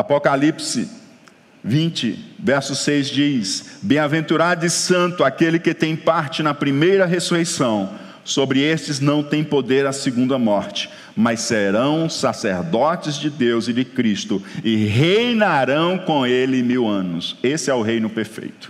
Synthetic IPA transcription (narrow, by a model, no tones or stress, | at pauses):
apɔkalipsɪ̰ | vĩnt͡ʃɪ̰vɛɾsʊsejzd͡ʒisbẽj̃avẽnt̪uɾad̪ʊɪsɐ̃nt̪ʊakelɪkɪt̪ẽj̃paɾt͡ʃɪnɐpɾimejɾɐɦesuhejsɐ̃w̃ | sobɾɪest͡ʃɪznɐ̃w̃t̪ẽj̃pod̪eɾasɪɡũnd̪ɐmɔɾt͡ʃɪ̥ | mɐseɾɐ̃w̃saseɾd̪ɔt͡ʃɪzd͡ʒɪd̪ewzɪd͡ʒɪkɾist̪ʊɪɦejnaɾɐ̃w̃kõelɪmiwɐ̃nʊsesɪɛʊɦejnʊpeɾfḛjt̪ʊ̥